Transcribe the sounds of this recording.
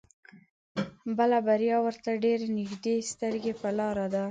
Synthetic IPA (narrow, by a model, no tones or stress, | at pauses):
bəlabaɾjɑwəɾt̪aɖeɾenɪɡd̪est̪əɾɡepəlɑɾad̪a